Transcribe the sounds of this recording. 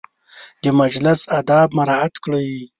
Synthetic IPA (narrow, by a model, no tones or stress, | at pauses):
d̪əmad͡ʒlɪsad̪ɑb̚maɾɑat̪kɽəji